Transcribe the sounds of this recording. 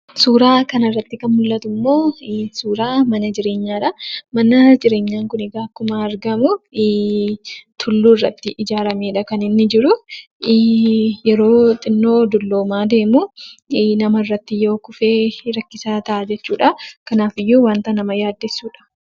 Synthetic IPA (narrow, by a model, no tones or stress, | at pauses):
suːɾaːkɐnɐrːɐt̪ːɪkɐnmʊlːɐt̪ʊmːo̞ːsuːɾaːmɐnɐd͡ʒɪɾe̞ːɲːaːᶑɐmɐnɐd͡ʒɪɾe̞ːɲːaːŋkʊnɪɡaːkːʊmaɐɾɡɐmʊ | t̪ʰʊlːuːɪrːɐ̰t̪ːɪʔɪd͡ʒaːɾɐmeːᶑɐkɐnɪnːɪd͡ʒɪɾʊː | jɛɾo̞ːt̪ʼɪnːo̞ːd̪ʊlːo̞ːmaːd̪e̞ːmu | nɐmɐɪrːɐt̪ːɪjo̞ːkʊfe̞ːɾɐkːɪsaːt̪ɐʔad͡ʒɛt͡ʃːuːᶑɐkɐnaːfɪjːuːwaːnt̪ɐnɐmɐjaːd̪ːɪsːuːᶑɐ̥